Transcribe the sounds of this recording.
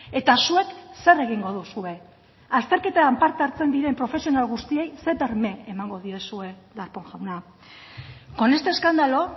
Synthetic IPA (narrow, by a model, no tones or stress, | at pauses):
e̞t̪asue̞kse̞re̞ɣ̞iŋɡo̞ð̞usue̞ | ast̪e̞ɾke̞t̪aampaɾt̪eaɾt͡se̞nd̪iɾe̞mpɾo̞fe̞sio̞nalɣust̪ie̞jse̞βe̞ɾme̞emaŋɡo̞ðie̞sue̞d̪aɾpo̞ŋʝawna | ko̞ne̞st̪e̞ːskand̪alo̞